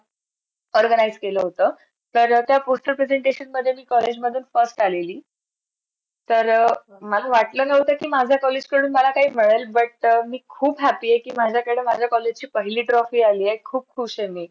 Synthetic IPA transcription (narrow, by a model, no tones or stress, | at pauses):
ɔɾɡənaid͡zkeləːɦot̪əː | t̪əɾt̪japosʈ̪əpɾed͡zeɳʈeɕənməd̪ʱːjemiːkɔled͡ʑməd̪ʱuːnfəsʈaleliː | t̪əɾ | məlaʋaʈləːnəʋt̪əkiːmad͡ʑʱjakɔled͡ʑkəɽuːnməlakaɦiːm̤əɭəlbəʈmiːkʰuːbɦæpijekiːmad͡ʑʱjakəɽeːmad͡ʑʱjakɔled͡ʑt͡ɕiːpəɦiliːʈɾɔfiːaliːjekʰuːb̚kʰuːɕeni